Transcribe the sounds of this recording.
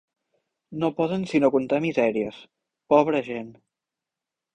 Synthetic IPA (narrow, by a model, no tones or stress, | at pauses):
nopɔðənsinokunt̪amizɛɾiəs | pɔβɾəʒen